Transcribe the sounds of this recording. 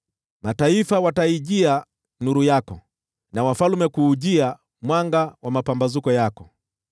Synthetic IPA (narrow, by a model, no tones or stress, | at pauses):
mataifawataiʄia | nuɾujakɔ | nawafalumɛkuːʄia | mwaŋɡawamapambazukɔjakɔ